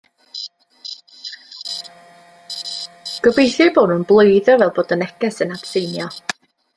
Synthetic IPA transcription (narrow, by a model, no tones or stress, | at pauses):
ɡ̥əbejθɪboːdnunblˠoɨðɔvɛlˠboːdənɛkɛsənapsejnjɔ